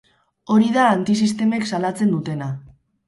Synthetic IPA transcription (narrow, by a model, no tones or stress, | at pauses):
o̞ɾiðaːnt̪is̬ist̪e̞me̞ksalat͡se̞nd̪ut̪e̞na